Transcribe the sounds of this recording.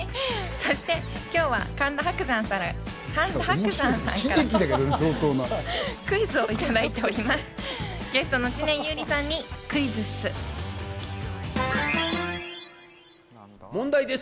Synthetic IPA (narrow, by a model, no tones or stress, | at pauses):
so̞ɕi̥t̪e̞ | kʲo̞ːβa̰kãnd̪ahakɯ̟zãɰ̃saɾ | kãnd̪ahkɯ̟zãɰ̃sã̰ŋkaekʲid̪akaɾasoːt̪oːnakɯ̟izɨoit̪ad̪ait̪e̞o̞ɾʲimasɨ̥ | ɡ̥e̞sɨ̥t̪o̞noit͡ɕinẽ̞ɰ̃jɯːɾʲisãɲ̟ːikɯ̟izɨsɨ | mõnd̪aid̪e